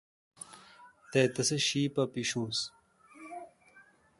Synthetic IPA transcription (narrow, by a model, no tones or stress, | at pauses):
t̪eːt̪ɐseɕiːpɐpiɕũːs